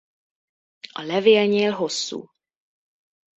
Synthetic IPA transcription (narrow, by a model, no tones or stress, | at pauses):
ɒlɛveːlɲeːlɦo̞sːṵː